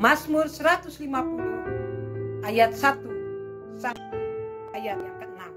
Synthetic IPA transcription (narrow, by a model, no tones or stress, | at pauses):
masmursəɾat̪uslimapulu | ʔajat̪̚sat̪u | sa | u | ajat̪̚t̪əŋa